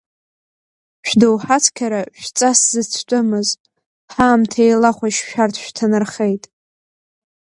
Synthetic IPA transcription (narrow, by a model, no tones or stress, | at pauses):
ʃᶣdowħat͡sʰkʲʰaɾaʃᶣt͡sʼaszɨt͡sʰt͡pʷʼʊmɨz | ħaːmtʰejlaχʷaʃʃᶣartʰʃᶣtʰanɨrχejtʼ